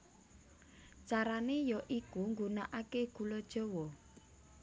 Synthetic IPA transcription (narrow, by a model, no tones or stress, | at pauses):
t͡ʃaɾanejɔʔikuŋɡunaʔakeɡ̥ṳlɔd̥ʒ̥ɔ̤wɔ